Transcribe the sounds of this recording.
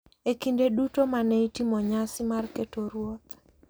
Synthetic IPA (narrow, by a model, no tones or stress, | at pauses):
ekindedutomanɛitimɔɲasɪmarketoɾwɔt̪